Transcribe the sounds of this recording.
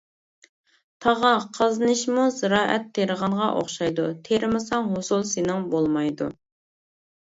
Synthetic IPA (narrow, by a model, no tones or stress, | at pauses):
t̪ʰɑʁɑqʰəznɨʃmuzɨɾɑːʔɛt̪ʰːeɾəʁɑɴʁɑʔo̰χʃɑjd̪ut̪ʰeɾɪmɨsɑŋɦosulˠsenɪŋbolˠmɑjd̪ṵ